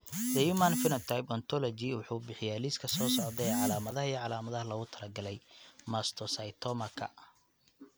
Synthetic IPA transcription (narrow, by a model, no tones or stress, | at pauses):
d̪ɛjumanfɪnɐt̪ʰajbɔnt̪ʰɔlɔt͡ʃɪwʊħuːbɪħɪjɛliskʰɐsɔːsɔːd̪ɛɛːʕɑlaːmɐðɐɦɐijʕɑlaːmɐðɐɦɐlɐɣʊt̪ʰɐlɐɡɐlɛjmast̪ʰɔsɐjt̪ʰɔmɐkʰɐ̰